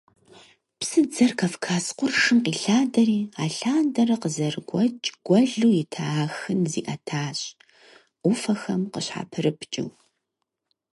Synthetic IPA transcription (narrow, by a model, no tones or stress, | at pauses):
psɨd͡zɐrkʰɐfkʰaːsqʷʊrʂɨmqiːɬaːdɐriːaːɬaːndɐrɐqəzɐrɡʷɔt͡ʃʼɡ̥ʷɐɮuːjɪtʰaːxɨnzḭːʔɐtʰaːɕʼ | ʔʷʊfɐxɐmqəɕħa̰ːpʰɨrɨpʰt͡ʃʼɪw